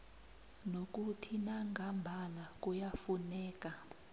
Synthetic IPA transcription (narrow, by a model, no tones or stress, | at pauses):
nok̬ʼutʰinaŋɡʱambʱalak̬ʼujafunɛːk̬ʼa